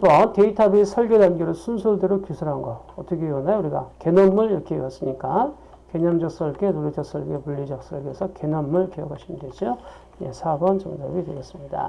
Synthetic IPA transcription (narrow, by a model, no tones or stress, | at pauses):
bʌnteitʰabisʰʌɭɡe̞danɡeɾosʰunsʰuɭdeɾokusʰɯɾɦanɡʌ | ʌt͈ʌkʰeiwʌnajouɾiɡake̞nʌmmɯɭiɾʌkʰewas͈ɯmɲik͈a | keɲʌmd͡ʑʌk̚s͈ʌɭɡenoɾitʰʌks͈ʌɭɡepuʎːid͡ʑʌk̚s͈ʌɭɡe̞sʰʌke̞nʌmːɯɭkejʌkʰaɕʰindwed͡ʑo | jḛsʰabʌnt͡ɕʌ̰ŋdabidweɡes͈ɯmɲida̰